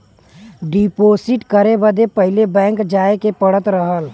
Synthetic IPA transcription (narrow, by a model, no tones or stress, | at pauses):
ɖiːpoːsɪʈkəɾebəd̪epəɦɪlebɛ̃ːŋkd͡ʒaːekepəɽət̪ɾəɦəl